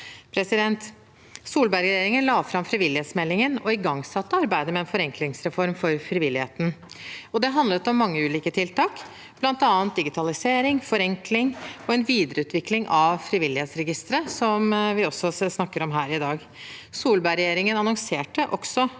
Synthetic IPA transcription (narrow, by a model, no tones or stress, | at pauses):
pʰɾɛsɪd̪ɛnt̪ | suːlbæɾɾɛjeːɾɪŋənlɑːfɾɑmfɾɪʋɪlːɪheːt̪smɛlːɪŋənɔɪɡɑŋsɑt̪ːəɑɾbæɪd̪əmɛɛnfɔɾɛŋklɪŋsɾɛfɔɾmfɔɾfɾɪʋɪlːɪhḛːt̪n̩ | ɔd̪ɛɦɑnd̪lət̪ɔmːɑŋːəʉːliːkət̪ʰɪlt̪ɑːk | b̥lɑnt̪ɑːənt̪̚d̪ɪɡɪt̪ʰɑlɪseːɾɪŋfɔɾɛŋkʰlɪŋɔɛnʋiːd̪əɾəʉːt̪ʰʋɪklɪŋʔɑʋfɾiʋɪlːɪheːt̪sɾɛɡɪst̪əɾəsɔmʋɪɔsɔsnɑkːəɾɔmɦæːɾɪd̪ɑːɡ | suːlbæɾɛjeːɾɪŋənɑnɔŋseːʈəʔɔksɔ